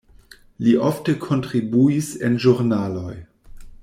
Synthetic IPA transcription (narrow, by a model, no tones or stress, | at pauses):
liʔoftəkʰontɾibuisenʒuɾnaloj